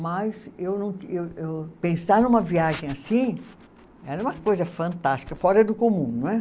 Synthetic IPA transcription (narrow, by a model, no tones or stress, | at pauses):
mɐsewnɐ̃w̃kewewpẽsaɾnũmɐviaʒẽj̃asĩ | ɛɾɐɛũmɐkojzɐfɐ̃nt̪ast͡ʃi̥kɐfɔɾɐd̪ʊkomũñɛ